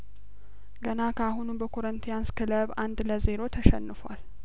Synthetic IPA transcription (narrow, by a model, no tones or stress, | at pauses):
ɡənakʰəaɦunubəkʰo̞ɾənt̪ʰijanskʰɨləβand̪ləze̞ɾo̞t̪ʰəʃɛ̰nːɨfʷa̰l